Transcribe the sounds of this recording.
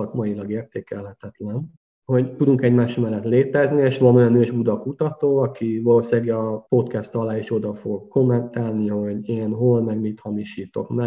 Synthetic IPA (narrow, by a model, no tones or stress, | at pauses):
ɒkmɒjilɒɡeːrt̪eːkɛlɦɛt̪ɛt̪lɛn | ho̞ɟt̪ud̪uŋkɛɟmaːʃmɛlːɛt̪leːt̪ɛznieːʃʋɒno̞jɒnøːʒbud̪ɒkut̪ɒt̪oːɒkivɒloːsaːɡɒpo̞t̪kɛst̪ɒlaːeːʃo̞d̪ɒfoɡko̞mːɛnt̪aːlniho̞ɟeːnɦo̞lmɛɡmit̪hɒmiʃiːt̪o̞̰kmɛ